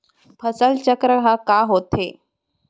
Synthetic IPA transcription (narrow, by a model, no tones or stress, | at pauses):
pʰəsəlt͡ɕəkɾəɦakaɦot̪e